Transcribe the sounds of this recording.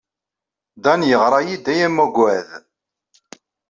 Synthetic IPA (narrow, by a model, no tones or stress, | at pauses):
d̪ɑnjəʁɾˤɑjid̪æjæmːuɡʷæð